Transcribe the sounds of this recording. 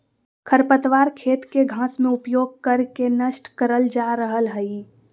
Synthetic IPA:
kʰəɾpət̪ʋaːɾkʰeːt̪keɡʱãːsmẽʊpjoːɡ̚kəɾkenəʃʈkəɾəld͡ʒaːɾəɦəlɦəi

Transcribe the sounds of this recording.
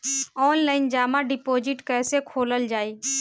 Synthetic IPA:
ɔːnlaːɪnd͡ʒaːmaɖɪpoːd͡ʒɪʈkɛːsekʰoːləld͡ʒaːiː

